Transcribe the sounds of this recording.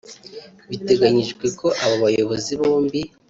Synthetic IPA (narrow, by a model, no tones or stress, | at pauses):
βite̞ɡaɲiʒɡweko̞ʔaβaβajo̞βo̞ziβoːmbi